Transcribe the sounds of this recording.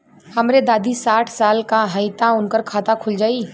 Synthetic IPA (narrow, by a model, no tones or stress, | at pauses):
həmɾed̪aːd̪ʱisaːʈʰsaːlkaɦəɪt̪aʊnkəɾkʰaːt̪akʰʊld͡ʒaːi